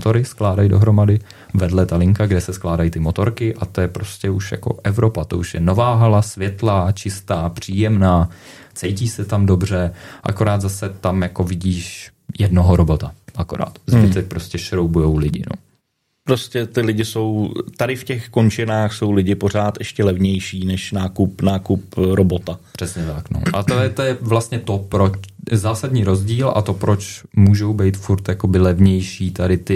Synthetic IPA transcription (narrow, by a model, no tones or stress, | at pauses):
t̪o̞ɾɪsklaːdajdo̞̰ɦɾo̞madɪ | vɛdlɛt̪alɪŋkaɡdɛsɛsklaːdajit̪ɪmo̞t̪o̞ɾkɪʔat̪o̞jɛpɾo̞scɛuʃja̰ko̞̰ʔɛvɾo̞pat̪o̞uʃjɛno̞vaːɦalasvjɛt̪laːt͡ʃɪst̪aːpr̝̥iːjɛmnaː | t͡sɛjciːsɛt̪amdo̞br̝ɛʔa̰ko̞ɾaːt̪zasɛt̪amjako̞vɪɟiːʃ | jɛdno̞ɦoɾobo̞t̪aʔako̞ɾa̰ːt̪zvɪt̪ɛpɾo̞scɛʃɾowbujowlɪɟɪ̰no̰ | pɾoscɛt̪ɪlɪɟɪso̞wt̪adɪfcɛxkont͡ʃɪnaːxso̞wlɪɟɪpo̞r̝aːt̪ʔɛʃcɛlɛvɲɛjʃiːnɛʃnaːkupnaːkup̚ɾobot̪apr̥ɛsɲɛt̪akno̰ʔa̰t̪oɛt̪ojɛvlast̪ɲɛt̪o̞pɾot͡ʃzaːsadɲiːɾo̞zɟiːlʔa̰t̪o̞pɾo̞t͡ʃmuːʒowbɛjt̪fuɾt̪jako̞bɪlɛvɲɛjʃiːt̪aɾɪt̪ɪ